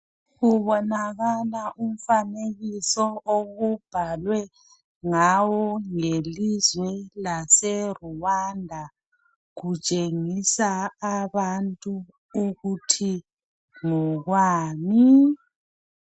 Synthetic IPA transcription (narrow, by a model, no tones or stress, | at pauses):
ɣuβɔnaɣalaʔum̩faneɣisɔoɣub̥ʱalwɛ | ŋawɔŋelizwɛlasɛruwandʱa | ɣut͡ʃʼeŋisaːβantʼu | uɣutʰi | ŋɔɣwaːmi